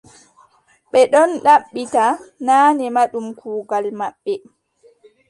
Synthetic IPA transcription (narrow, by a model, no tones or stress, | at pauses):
ɓɛɗɔnɗaɓːitanaːnɛmaɗumkʰuːɡalmaɓːɛ